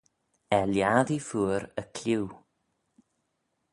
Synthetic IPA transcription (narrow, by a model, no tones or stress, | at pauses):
ɛljaːðifuːɾəkʰl̥ɪw